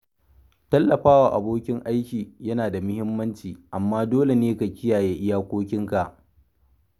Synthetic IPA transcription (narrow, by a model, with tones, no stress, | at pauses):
tɐ˦lːɐ˨ɸaː˦waː˨ʔa̰˨boː˦kʲɪ˦ŋʔa˦jkʲiː˨jɐ˦naː˨da˨mʊ˦hɪ˦mːɐ˦nt͡ʃiː˨ʔa˨mːaː˦doː˦le˨neː˦ka˨kʲɪ˦jaː˨jeː˦ʔɪ˦jaː˦kʷoː˦kʲɪ˦ŋka˨ʔ